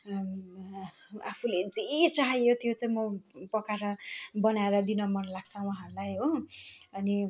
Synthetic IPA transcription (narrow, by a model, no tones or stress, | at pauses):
apʰuled͡zet͡saɦijot̪ʰjot͡saĩmʌpʌkaɾʌbʌnaeɾʌd̪inʌmʌnlaɡ̥t͡sʰʌ̃wãɦalajɦoʌni